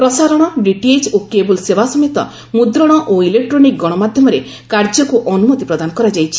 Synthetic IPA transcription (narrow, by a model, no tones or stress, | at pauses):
pɾɔsaɾɔɽ̃ɔɖiʈied͡ʒokebulsebasɔmet̪ɔ̰ | mud̪ɾɔɽ̃ɔʔoilek̚ʈɾonik̚ɡɔɽ̃ɔmad̪ʱjɔmɔɾe | kaɾd͡ʒɔkuʔɔnumɔt̪ipɾɔd̪anɔkɔɾad͡ʒajt͡ʃʰi̥